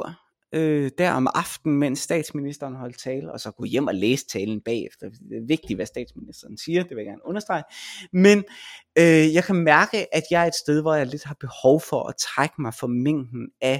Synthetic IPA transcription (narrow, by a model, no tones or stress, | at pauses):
ød̥æɐɒ̽mɑ̈fd̥n̩men̰sːd̥ɛ̰ːd̥sminisd̥ɐːnɦɒ̽l̰d̥t͡sʰɛːləɒ̽sɒ̽ɡ̥ɔ̰jem̰ɒ̽leːsə̥t͡sʰɛːln̩b̥ɛ̰ːefd̥ɐ̥eʋe̝ɡ̥̚d̥iʋæsd̥ɛ̰ːd̥sminisd̥ɐːn̩siːɐd̥eʋe̝jaɡæɐnɔ̽nɐsd̥ʁɑ̈ɪmenøjɑ̈ɪkʰæmæɐɡ̥əʔæd̥jɑ̈ɪɐe̝d̥sd̥eð̞ˠʋɒjɑ̈ɪle̝d̥ɦɑ̈b̥e̝hɒʊfɒ̽ʔɒt͡sʰʁaɡ̥əmɑ̈ɪfɒ̽meŋ̰d̥n̩æ